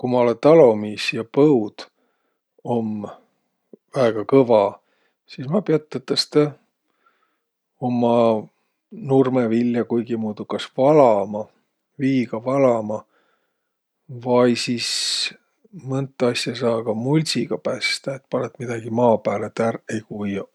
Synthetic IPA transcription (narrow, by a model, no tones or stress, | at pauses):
kumɑolet̪ɑlo̞misjɑpɤwd̪̥ | o̞m | væeɡ̥ɑkɤvɑ | sismɑpeɑt̪ːet̪ːˑɑst̪e | o̞mːɑ | nurmevilʲjɑkujɡ̥imuːd̪̥ukɑsvɑlɑmɑ | viːɡ̥ɑvɑlɑmɑ | vɑjsiːs | mɤnt̪ːˑɑsʲjɑsɑːɡ̥ɑmulʲsiɡ̥ɑpæːst̪ɑet̪pɑlet̪mid̪̥ɑɡ̥imɑːpæːlet̪ærejkujɑ